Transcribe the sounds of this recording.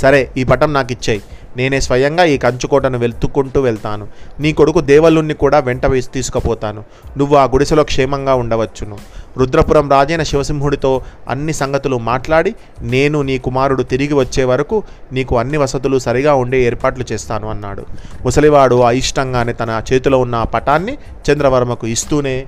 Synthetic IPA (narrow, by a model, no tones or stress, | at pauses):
sɐɾe̞ːiːpɐʈɐmnaːkit͡ʃːɐːjineːne̞ːsʋɐjɐŋɡaːiːkɐɲt͡ʃukɔːʈɐnuʋe̞lt̪ukuɳʈuːʋɛɭt̪aːnuniːko̞ɽukud̪ɛːʋɐlunːikuːɽaːʋeɳʈɐʋeːst̪iːsu̥kɐpɔːt̪aːnu | nuʋːuaːɡuɽisɐlo̞ːkʂɛːmɐŋɡaːuɳɖɐʋɐt͡ʃːunuɾud̪ɾɐpuɾɐmɾaːd͡ʒɐjnɐʃiʋɐsimɦuɽit̪o̞ːɐ̰nːisɐŋɡɐt̪ulumaːʈlaːɽi | ne̞ːnuniːkumaːɾuɽut̪iɾiɡiʋɐt͡ʃːe̞ːʋɐɾɐkuniːkuɐnːiʋɐsɐt̪ulusɐɾiɡaːuɳɖe̞ːeːɾpaːʈlut͡ʃɛːst̪aːnuɐnːa̰ːɽṵmusɐliʋaːɽuɐjiʂʈɐŋɡaːneːt̪ɐnɐt͡ʃe̞ːt̪uloːunːɐpɐʈaːnːi | t͡ʃɐnd̪ɾɐʋɐɾmɐkuist̪uːne̞ː